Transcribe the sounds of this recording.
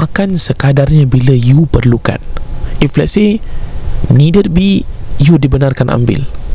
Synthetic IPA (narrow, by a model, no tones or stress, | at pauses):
ʔakansəkadarɲabiləjupərluka̰niflase | nidəd̚bijudibənarkanʔa̰mbɪ̰l